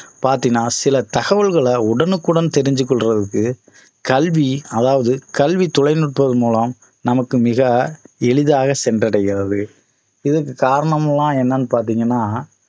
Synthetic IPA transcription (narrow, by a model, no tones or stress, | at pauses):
paːɾt̪inːaːsɪlɐt̪ɐɣɐʋɐɭɣɐɭɐʊɽɐnɯkːɯɽɐnt̪ɛɾɪɲd͡ʒɯk̬ːɔɭrɐðɯkːɯ | kɐlʋiɐðaːʋɐðɯkɐlʋit̪ɔlɐɪnɯʈ̚pɐðɯmuːlɐm | nɐmɐkːɯmɪɣɐɛɭɯðaːɣɐsɛndrɐɽɐjɣɪrɐðɯ | ɪðɐkːɯkaːɾɐɳɐmɐlːãːɛnːɐnɯpaːɾt̪iːŋɡɐnːaː